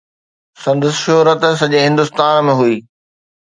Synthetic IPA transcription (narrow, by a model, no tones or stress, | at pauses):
sɐ̃nd̪əsʃoɦɾət̪s̬ɐʄeɦɪ̃nd̪ʊst̪aːnmẽɦuiː